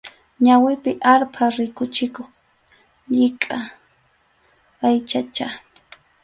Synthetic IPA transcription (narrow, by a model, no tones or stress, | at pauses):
ɲawɪpɪʔaɾpʰaɾɪkʊt͡ʃɪkoχ | ʎɪkʼa | ajt͡ʃat͡ʃa